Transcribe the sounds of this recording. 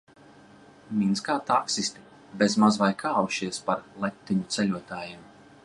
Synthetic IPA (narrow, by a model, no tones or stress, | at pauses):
mʲinskaːt̪aksisʲt̪i̥ | bezmazvajkʰaːwuʃiɛspaɾlˠɛt̪ːiɲut̪sɛlʲuɔt̪aːjim